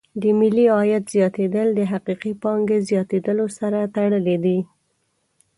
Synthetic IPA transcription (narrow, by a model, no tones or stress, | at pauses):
d̪əmɪlːiɑjat̪z̥jɑt̪ed̪əld̪əɦaqiqipɑŋɡezjɑt̪ed̪əlosaɾat̪aɽəled̪i